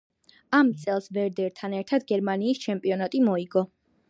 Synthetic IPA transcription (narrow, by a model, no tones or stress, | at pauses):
amt̪sʼɛlˠsvɛɾd̪ɛɾt̪ʰanɛɾt̪ʰad̪ɡɛɾmaniːst͡ʃʰɛmpʼiɔnat̪ʼimɔiɡɔ